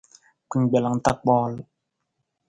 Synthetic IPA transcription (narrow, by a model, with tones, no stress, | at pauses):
ki˨ŋɡ͡be˨la˨ŋ˨ta˦˨k̚k͡pɔː˦l